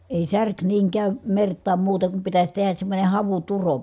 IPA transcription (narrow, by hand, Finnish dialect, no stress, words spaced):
eˑi særk niːŋ kæˑym mertˑɑːm muːteŋ kum pitæsʲ tehæs semːonʲe hɑʋuturo